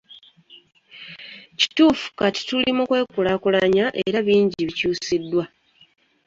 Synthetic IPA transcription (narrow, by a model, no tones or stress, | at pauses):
ci̥tuːfu̥kati̥tulimukwe̞ːkulakulaɲaʔḛɾaβiːɲɟiβicuːsidːwa